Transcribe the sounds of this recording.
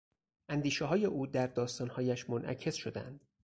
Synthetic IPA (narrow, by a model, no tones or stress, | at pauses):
ʔænd̪iːʃɛɦɒːje̞ʔuːd̪æɾd̪ɒːst̪ɒːnhɒːjæʃmonʔæ̰cʰe̞sʃod̪æ̰nd̪̥